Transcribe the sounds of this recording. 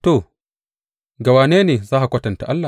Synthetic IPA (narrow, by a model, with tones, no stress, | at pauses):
to˨ | ɡa˨waː˨neː˦neː˨zaː˦ʔa˨kʷɐ˦tɐ˨nta˨ʔa˦lːa˨